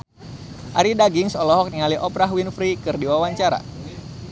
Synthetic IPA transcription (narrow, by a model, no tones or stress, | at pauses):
ʔaɾidaɡiŋsɔlɔɦɔk̚niŋaliʔɔpɾaɦwinfɾikɨrdiwawaɲt͡ʃaɾa̰